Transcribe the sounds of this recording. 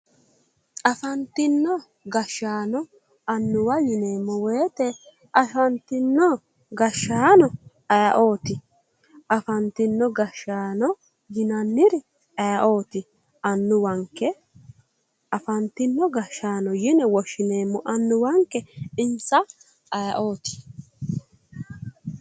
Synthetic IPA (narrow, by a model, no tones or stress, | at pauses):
ʔɐfɐnt̪ɪnːɔ | ɡɐʃːaːnɔ | ɐnːʊwɐjɪneːmːɔweːt̪ɛ | ʔɐʃɐnt̪ɪnːɔ | ɡɐʃːaːnɔ | ɐjɐʔo̞ːt̪ɪ | ɐfɐnt̪ɪnːɔɡɐʃaːnɔ | jɪnɐnːɪɾɪ | ɐjɐʔo̞ːt̪ɪ | ɐnːʊwɐŋkːɛ | ɐfɐnt̪ɪnːɔɡɐʃːaːnɔjɪnɛwɔʃɪneːmːɔʔɐnːʊwɐŋkːɛɪnsɐ | ɐjɐʔoːt̪ɪ̥